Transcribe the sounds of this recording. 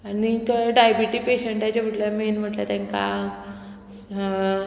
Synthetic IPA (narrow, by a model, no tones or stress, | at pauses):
anikəɖajbiʈiːpeɕəɳʈ̪jat͡ɕab̤ʱəʈljamenm̤əʈlja̰t̪ãŋka